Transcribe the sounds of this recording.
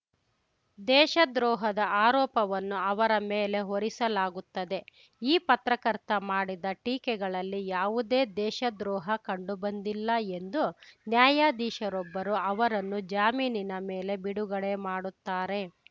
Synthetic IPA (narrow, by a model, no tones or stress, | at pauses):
d̪ɛːʃɐd̪ɾɔːɦɐd̪ɐʔaːɾɔːpɐʋɐnːuɐʋɐɾɐmeːle̞ɦoɾisɐlaːɡut̪ːɐd̪e̞ | iːpɐt̪ɾɐkɐɾt̪ɐmaːɽid̪ɐʈiːkɛɡɐɭɐlːijaːʋud̪e̞ːd̪ɛːʃɐd̪ɾɔːɦɐkɐɳɖubɐnd̪ilːɐe̞nd̪unjaːjaːd̪iːʃɐɾɔbːɐɾuɐʋɐɾɐnːud͡ʒaːmiːninɐmeːle̞biɽuɡɐɭe̞maːɽut̪ːaːɾe̞